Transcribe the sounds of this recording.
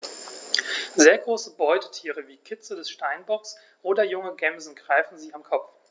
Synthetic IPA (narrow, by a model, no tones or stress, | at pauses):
zeːɐɡʁoːsəbɔʏtʰətʰiːʁəviːkʰɪt͡sədɛsʃtaɪnbɔks | ʔoːdɐjʊŋəɡɛmzn̩ɡʁaɪfn̩ziːamkʰɔp͡f